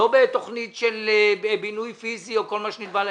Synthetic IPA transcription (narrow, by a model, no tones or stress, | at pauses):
obet̪o̞χnitʃelebinujfizio̞ko̞lmaʃenidbal